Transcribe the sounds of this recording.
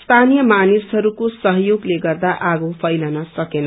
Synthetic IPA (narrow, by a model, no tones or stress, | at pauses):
st̪ʰanijʌmanisɦʌɾukosʌɦjoɡleɡʌrd̪aʔaɡopʰʌjlʌnasʌkenʌ